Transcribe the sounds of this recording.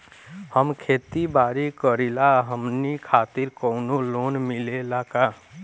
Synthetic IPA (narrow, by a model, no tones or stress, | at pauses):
həmkʰeːt̪ibaːɾikəɾilaɦəmnikʰaːt̪ɪɾkɔʊnoloːnmilelaka